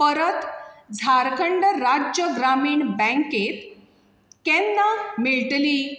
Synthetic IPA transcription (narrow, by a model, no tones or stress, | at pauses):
pəɾət̪d͡zʱaɾkəɳɖəɾad͡ʑəɡɾamiːɳbɛ̃ŋket̪ | kɛnːamiɭʈliː